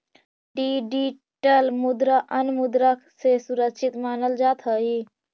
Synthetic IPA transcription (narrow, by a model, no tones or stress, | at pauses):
ɖiɖi | ʈəlmud̪ɾəʔənmud̪ɾəksesuɾəkt͡ʃʰit̪maːnəld͡ʒaːt̪ɦəɦi